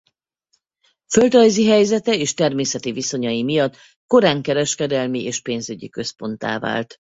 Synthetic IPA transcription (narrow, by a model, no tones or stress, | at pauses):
fø̞ld̪rɒjziɦɛjzɛt̪ɛeːʃt̪ɛrmeːsɛt̪iviso̞ɲɒjimijɒt̪ | ko̞ɾaːŋkɛɾɛʃkɛd̪ɛlmiʔeːʃpeːnzyɟḭkø̞spo̞n̪t̪a̰ːva̰ːlt̪